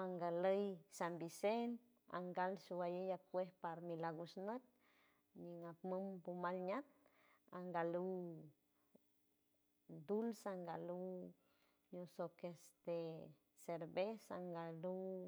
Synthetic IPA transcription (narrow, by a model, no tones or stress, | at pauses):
aŋɡaləjsambisen | a̰ŋɡalʃuwajəjakʷehpaɾmilaɡusnət̪̚ | ɲiŋapməmbumalɲat̪̚ | aŋɡalu | d̪ulsaŋɡalu | ɲosokest̪e | seɾbesaŋɡalu